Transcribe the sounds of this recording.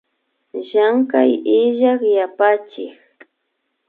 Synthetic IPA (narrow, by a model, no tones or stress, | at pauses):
ʒaŋka̰jɪʒakjapat͡ʃɪx